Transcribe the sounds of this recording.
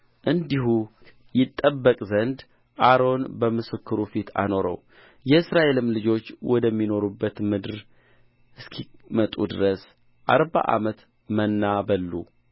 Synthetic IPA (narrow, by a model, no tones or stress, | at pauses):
ʔɨnd̪iɦu | jɪt̪ʼːəbːəkʼzənd̪ | ʔaɾo̞nbəmɨsɨkʰːɨɾufit̪ʰa̰no̞ɾə̰w | jɛɨsɾaʔe̞lɨmlɨd͡ʒo̞t͡ʃːwɔd̪əmːino̞ɾubːət̪mɨd̪ɨɾ | ɨskʰimət̪ʼṵd̪ɨɾəs | ʔa̰ɾba̰ʔa̰mət̪ | mənːabəlːṵ